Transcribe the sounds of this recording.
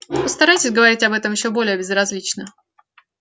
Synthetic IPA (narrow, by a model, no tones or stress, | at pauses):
pəst̪ɐɾajtʲɪsʲɡəvɐɾʲitʲɐbɛt̪əmjɪɕːobo̞lʲɪjəbʲɪzrɐzʲlʲit͡ɕnə